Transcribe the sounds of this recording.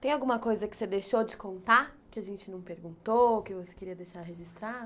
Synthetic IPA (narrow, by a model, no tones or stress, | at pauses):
t̪ẽj̃awɡũmɐkojzɐkɪ̥sed̪ejʃod͡ʒɪkõnt̪akɪaʒẽnt͡ʃɪnɐ̃w̃peɾɡũnt̪ookɪvose̥keɾiɐd̪eʃaɾɦeʒist̪ɾad̪ʊ